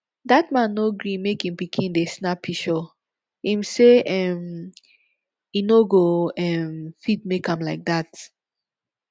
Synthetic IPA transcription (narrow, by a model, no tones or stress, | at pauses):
datmãnːoɡɹĩmekhĩmpikʰĩndesnapʰːiʃɔ | hĩmseʔɛm | inoɡoɛmfit̚mekãmlaɪk̚dat